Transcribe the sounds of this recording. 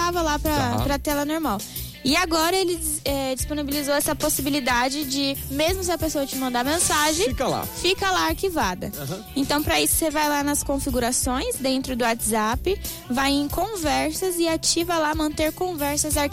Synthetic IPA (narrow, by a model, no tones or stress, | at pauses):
avɐlapɾɐpɾɐt̪ɛlɐnoɾmaw | ɪaɡɔɾɐelɪɛd͡ʒisponibilizowɛsɐposibilid̪ad͡ʒɪd͡ʒɪmezmʊsɪɐpesoɐt͡ʃɪmɐ̃nd̪aɐmẽsaʒẽjkɐla̰fikɐlaaɾkivad̪ɐ̰ | ẽnt̪ɐ̃w̃pɾɐisʊ̥sevajlanɐskõfiɡuɾasõj̃zd̪ẽnt̪ɾʊd̪ʊat̪zapɪ | vajẽkõvɛɾsɐzɪat͡ʃivɐlamɐ̃nt̪eɾkõvɛɾsɐzaɾk